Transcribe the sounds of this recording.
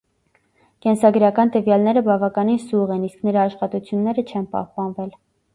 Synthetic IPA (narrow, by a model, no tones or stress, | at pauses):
kɛnsɑɡəɾɑkɑnt̪əvjɑlnɛɾəbɑvɑkɑninsuʁɛnisknəɾɑːʃχɑt̪ut͡sʰjunːɛɾət͡ʃʰɛnpɑ̰hpɑnvɛl